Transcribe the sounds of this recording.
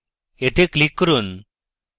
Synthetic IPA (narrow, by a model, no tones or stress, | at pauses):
et̪ʰeklikːəɾuːn